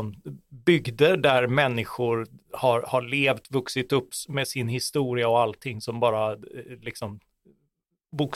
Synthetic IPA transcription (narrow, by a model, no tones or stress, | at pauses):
mbʏɡd̪əɖæɾmɛnːɪɧʊɾhaɾhaɭeːvt̪vɵksɪt̪ɵpːmɛːsɪnɦɪst̪uːɾɪaɔalt̪ʰɪŋːsɔmbɑːɾalɪksɔm | buk